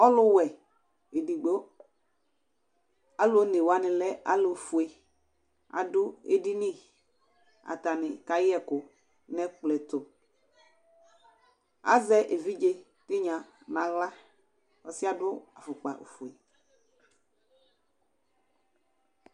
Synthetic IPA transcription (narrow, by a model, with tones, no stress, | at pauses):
ɔ˦lʊ˦wɛ˨ | e˨di˨ɡ͡bo˦ | a˦lo˦ne˨wa˦nɪ̃˨lɛ˦a̰˦lo˨fu˨e˨ | a̰˨dʊ˦ḛ˦di˦nĩ˦˨ | a̰˨t̪a˨nɪ˨ka˨jɪ˦ɛ˦kʊ˨ | nɛ˦k͡plɛ˨t̪ʊ˨ | a̰˦zɛ˦ʔe˨vi˦d͡ʒe˦ | tɪ˦ɲã˨nã˨ɣla˦ | ɔ˨sɪ˦a˦dʊ˦a˨fʊ˨k͡pa̰˨ʔo̰˨fu˨e˨